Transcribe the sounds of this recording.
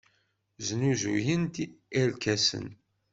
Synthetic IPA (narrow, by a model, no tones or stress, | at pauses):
znuzujənt̪iæɾkæsə̰n